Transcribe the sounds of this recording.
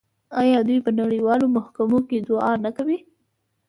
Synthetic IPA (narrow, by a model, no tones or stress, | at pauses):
ɑjɑd̪ujpənaɽiwɑlomʊhkamoked̪ʊɑnakawi